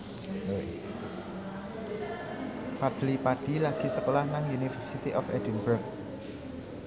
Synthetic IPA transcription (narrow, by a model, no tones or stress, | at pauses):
pad̥lipaɖ̥i̤laɡ̥isəkolahnaŋjunifərsit̪iʔɔfɛ̰d̥inbərk̚